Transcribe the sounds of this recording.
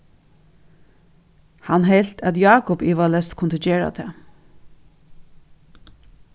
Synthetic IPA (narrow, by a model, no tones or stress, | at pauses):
hɑnɦɛɪlt̪ʰæt̪jɑːkʊpɪʋɑlɛst̪kʰʊnt̪əd͡ʒeːɹa̰t̪ʰḛː